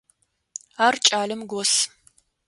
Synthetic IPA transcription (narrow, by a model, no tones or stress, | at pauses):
aːrt͡ʃʼaːlɨmɡʷɔs